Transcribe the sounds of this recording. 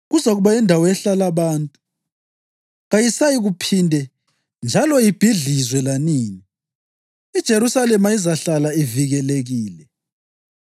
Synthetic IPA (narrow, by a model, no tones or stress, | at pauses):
ɣuzaɣuβaɛndʱawɔɛɬalaβaːntʼu | ɣajisajiɣupʰindʱɛ | nd͡ʒʱalɔjib̥ʱiɮizwɛlaniːni | id̥ʒ̥ʱeɾusalɛmaizaɬalaiviɣɛleɣiːlɛ